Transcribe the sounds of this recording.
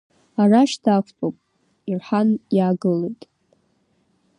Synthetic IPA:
araʃdakʷʰt͡sʼopʼ | irħanjaːɡɨlejtʼ

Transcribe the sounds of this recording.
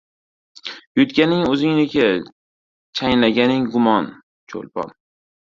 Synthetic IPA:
jʊt̪kʲanɪŋɵzɪŋnɪkʰʲa | t͡ʃʰajnlaɡʲanɪŋɡʊmɒn | t͡ʃʰo̰lpɒ̰n

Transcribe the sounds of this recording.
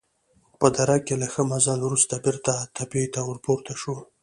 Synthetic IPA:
pəd̪aɾakelaxəmazɑlwɾust̪abɪɾt̪at̪ʰapet̪awəɾpoɾt̪aʂu

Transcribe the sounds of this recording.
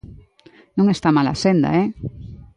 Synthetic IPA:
nõŋest̪amala̰send̪a̰e

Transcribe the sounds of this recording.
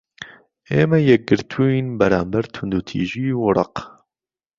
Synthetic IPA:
eːmɛjɛk̚ɡɨɾt̪ʰuinbɛɾaːmbɛɾt̪ʰʊnd̪uːt̪ʰḭːʒiːwʊɾɑ̰q

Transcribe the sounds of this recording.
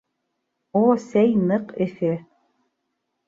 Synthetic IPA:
osæjnɤqɘ̆fɘ

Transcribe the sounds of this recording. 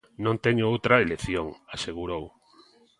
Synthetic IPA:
nõnt̪eɲoowt̪ɾɐeleθjoŋaseɣuɾow

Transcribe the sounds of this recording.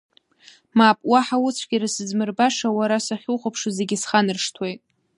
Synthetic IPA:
mapʼwaħawʊt͡sʷʰɡʲiɾasɨzmɨrbaʂawaɾasaχʲuχʷapʰʂɨze̞ɡʲɪsχanɨrʂtʰwejtʼ

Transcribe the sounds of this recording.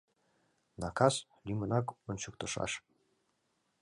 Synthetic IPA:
nɑkɑs | lʲimɤ̆nɑkont͡ɕukt̪ɤ̆ʃɑ̰ʃ

